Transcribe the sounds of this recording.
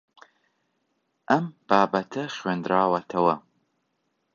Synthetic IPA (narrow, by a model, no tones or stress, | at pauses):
ʔɐmb̥aːbɐt̪ʰɐχɥeːnd̪ɾaːwɐt̪ʰɐwɐ